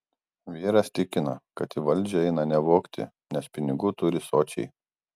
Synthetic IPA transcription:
ʋʲiːɾɐst̪ʲɪkʲɪnɐkɐt̪ʲɪʋɐlʲˑd͡ʒʲɛɛɪnɐnʲɛʋoːkt̪ʲɪ̰ | nʲɛspʲɪnʲɪɡʊt̪ʊɾʲɪsoːt͡ʃʲɛ̰ɪ

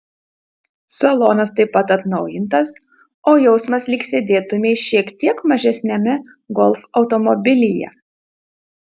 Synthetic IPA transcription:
sɐlˠoːnɐst̪ɐɪpːɐt̪ɐt̪nɒʊjɪnt̪ɐs | oːjɛʊsmɐslʲɪksʲeːd̪ʲeːt̪ʊmʲeʃʲiɛkt̪ʲiɛkmɐʒʲɛsʲnʲɛmʲɛ | ɡɔlˠfɒʊt̪ɔmɔbʲɪlʲɪjɛ̰

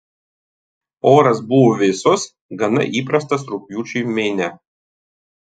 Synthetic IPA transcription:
oːɾɐsbʊʋoʋʲɪsos | ɡɐnɐ̰ʔiːpɾɐs̬t̪ɐsɾʊpʲjuːt͡ʃʲumʲeːnʲɛ

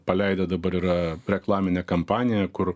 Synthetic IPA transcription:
pɐlʲɛɪd̪ɐd̪ɐbɐɾiɾɐɾʲɛklˠɑːmʲɪnʲɛkɐmpɑːnʲɪjɛkʊɾ

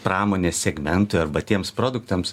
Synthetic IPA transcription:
pɾɑːmoːnʲeːssʲɛɡmʲɛnt̪ʊɐɾbɐt̪ʲiɛmspɾoːd̪ʊkt̪ɐms

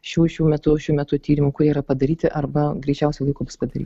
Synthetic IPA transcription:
ʃʲuːʃʲuːmʲɛt̪ʊʃʲuːmʲɛt̪ʊt̪ʲiːɾʲɪmʊːkʊɾʲiːiɾɐpɐd̪ɐɾʲiːt̪ʲɪʔɐrbɐɡɾʲiːt͡ʃʲɛʊsʲɛlˠɐɪkoːbʊspɐd̪ɐɾʲiːt̪

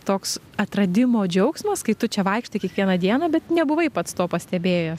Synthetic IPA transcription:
t̪oːks | ɐt̪ɾɐd̪ʲɪmoːd͡ʒʲɛʊksmɐskɐɪt̪ʊt͡ʃʲɛʋɐɪkʃt̪ɐɪkʲiɛkʋʲiɛnɐd̪ʲiɛnɐbʲɛt̪nʲɛbʊʋɐɪpɐt̪st̪oːpɐsʲt̪ʲɛbʲeːjɛs

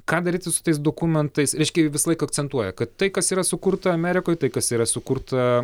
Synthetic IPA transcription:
kɑːd̪ɐɾʲiːt̪ʲɪsʊ̥t̪ɐɪs̬d̪oːkumʲɛnt̪ɐɪsɾʲɛɪʃʲkʲɛjʊʋʲɪsɐlˠɐɪkɐɐk̚t͡ssʲɛnt̪uɔjɛkɐt̪tɐɪkɐsiːɾɐsʊkurt̪ɐɐmʲɛɾʲɪkoːjt̪ɐɪkɐsiːɾɐsʊkuɾt̪ɐ

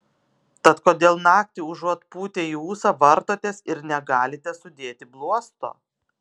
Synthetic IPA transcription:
t̪ɐt̪koːd̪ʲeːlˠnɑːkt̪ʲiːʊʒuɔt̪puːt̪ʲeːjuːsɐʋɐɾt̪oːt̪ʲeːsɪɾnʲɛɡɑːlʲɪt̪ʲɛsʊd̪ʲeːt̪ʲɪblˠuɔst̪o̰ː

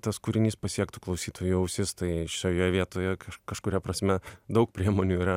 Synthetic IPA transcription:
t̪ɐskʊɾʲɪnʲiːspɐsʲiɛkt̪uklˠɐʊsʲiːt̪ʰoːjuɐʊsʲɪst̪ɐɪʃʲoːjoːjɛʋʲiɛt̪oːjɛkɐʃkɐʃkʊɾʲɛpɾɐsʲmʲɛd̪ɐʊkpʲɾʲiɛmoːnʲuːiːɾɐ

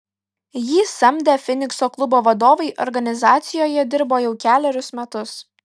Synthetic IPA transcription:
jiːsɐmʲd̪ʲɛfʲɪnʲɪksoːklˠʊboːʋɐd̪oːʋɐɪʔɔ̰ɾɡɐnʲɪzɑːt̪sʲɪjoːjɛd̪ʲɪɾboːjɛʊkʲæːlʲɛɾʲʊsmʲɛt̪ʊs

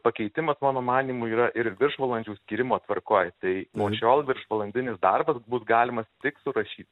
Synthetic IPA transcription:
pɐkʲɛɪt̪ʲɪmɐsmɑːnoːmɑːnʲiːmuːiːɾɐʔɪɾʋʲɪrʃʋɐlˠɐnʲd͡ʒʲuːsʲkʲiːɾʲɪmoːt̪ʋɐɾkoːjt̪ɐɪnuɔt͡ʃʲoːlˠʋʲɪɾʃʋɐlˠɐnʲd̪ʲɪnʲɪsd̪ɐrbɐsbʊsɡɑːlʲɪmɐst̪ʲɪksʊɾɐʃʲiːt̪

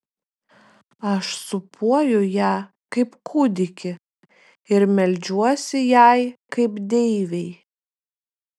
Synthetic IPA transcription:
ɐʃsʊpʰuɔjʊjæː | kɐɪpkʰuːd̪ʲɪkʲɪ | ɪɾmʲɛlʲd͡ʒʲuɔsʲɪjæˑjkkɐɪpd̪ʲɛɪʋʲɛɪ

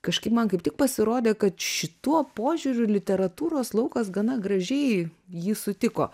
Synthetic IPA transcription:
kɐʃkɐɪpmɐnkɐɪp̚tʲɪk̚pɐsʲɪɾoːd̪ʲeːkɐt̪ʃʲɪt̪uɔpoːʒʲʊɾʲʊlʲɪt̪ʲɛɾɐt̪uːɾoːslˠɐʊkɐsɡɐnɐɡɾɐʒʲɛɪjiːsʊt̪ʲɪko̰ː

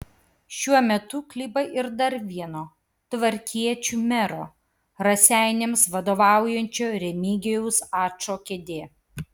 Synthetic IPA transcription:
ʃʲuɔmʲɛt̪ʊklʲiːbɐʔɪɾd̪ɐɾʋʲiɛnoː | t̪ʋɐɾʲkʲiɛt͡ʃʲuːmʲɛɾo̰ː | ɾɐsʲæˑɪnʲeːmsʋɐd̪oːʋɑˑʊjɛnʲt͡ʃʲoːɾʲɛmʲiːɡʲɛjɛʊsɑːt͡ʃoːkʲɛd̪ʲeː

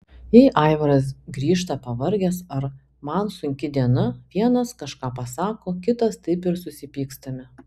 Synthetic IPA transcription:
jɛɪʔɑˑɪʋɐɾɐs̬ɡɾʲiːʃt̪ɐpɐʋɐɾʲɡʲɛsɐɾ | mɐnsʊŋʲkʲɪd̪ʲiɛnɐʋʲiɛnɐskɐʃkɑːpɐsɑːkoːkʲɪt̪ɐst̪ɐɪpɪɾsʊsʲɪpʲiːkst̪ɐmʲɪ

